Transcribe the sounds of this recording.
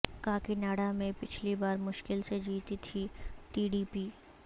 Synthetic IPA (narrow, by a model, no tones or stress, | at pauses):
kaːkinaːɽamẽpɪt͡ʃʰlibaːɾmʊʃkɪlsed͡ʒiːt̪it̪ʰiʈiːɖiːpiː